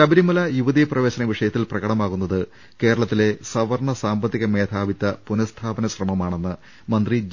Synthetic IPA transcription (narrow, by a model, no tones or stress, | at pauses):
ɐbɐɾimɐlɐjuʋɐðijɐprɐʋe̞ːɕɐnɐʋiʂɐjɐt̪ːilprɐɣɐɽɐmaːɣunːɐðɨ | ke̞ːɾɐɭɐt̪ːile̞sɐʋɐrɳɐsaːmbɐt̪ːiɣɐme̞ːt̪ʰaːʋit̪ːɐpunɐst̪ʰaːbɐnɐɕrɐmɐmaːɳe̞nːɨ | mɐnd̪ri